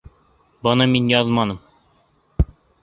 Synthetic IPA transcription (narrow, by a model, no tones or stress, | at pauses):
bɤnɤminjɒzɤ̆lˠmɑnɤm